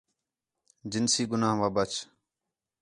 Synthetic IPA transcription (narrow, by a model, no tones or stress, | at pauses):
d͡ʒɪnsiːɡʊnaːɦʋaːbət͡ʃ